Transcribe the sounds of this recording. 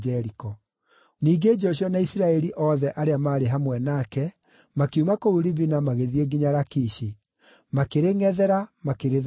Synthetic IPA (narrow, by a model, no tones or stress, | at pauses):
ɛɾikɔ | niːɡed͡ʒɔɕ̬jɔnaisɾaɛɾiʔɔːðɛʔaɾeamaːɾeɦamwɛnakɛ | makeumakouɾiβinamaɣeðieɡiɲaɾakiʃi | makeɾeŋɛðɛɾamakeɾe